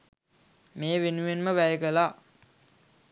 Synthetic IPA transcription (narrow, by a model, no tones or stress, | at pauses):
meːʋenuenməʋæjəɡəla